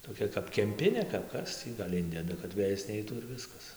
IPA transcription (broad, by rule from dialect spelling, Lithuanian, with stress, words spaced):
toːˈkʲɛ kɐp kʲɛmʲˈpʲɪnʲeː kɐp ˈkɐs tʲiː ɡɐlʲ ˈɪnʲdʲɛdɐ kɐt ˈʋʲeːjɛs ˈnʲɛɪtuː ɪr ˈʋʲɪskɐs